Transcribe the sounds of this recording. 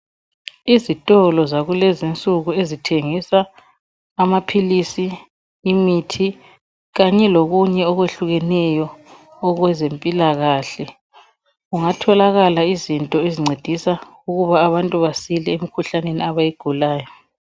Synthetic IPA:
izitʼɔlɔzaɣulɛzint͡sʼuɣuezitʰeŋisaː | mapʰilisiː | mitʰi | ɣaɲɛloɣuɲɛɔɣweɬuɣɛnɛjɔː | ɣwɛzempʼilaɣaɬɛ | uŋatʰɔlaɣalaizintʼɔeziŋ͡ǀʱed̥ʱisa | uɣuβaːβantʼuβasilɛemikʰuɬaneniaβajiɡ̥ʱulaːjɔ

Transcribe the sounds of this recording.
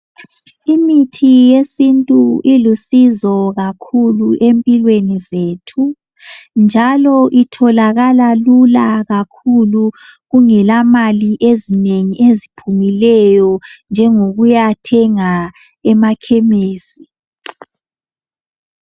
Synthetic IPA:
imitʰijesintʼuilusizɔɣakʰuluʔempʼilwenizeːtʰu | nd͡ʒʱalɔʔitʰɔlaɣalalulaɣakʰuluɣuŋɛlamaliʔezineŋiezipʰumilɛjɔnd͡ʒʱɛŋoɣujatʰɛŋa | ɛmakʰɛmeːsi

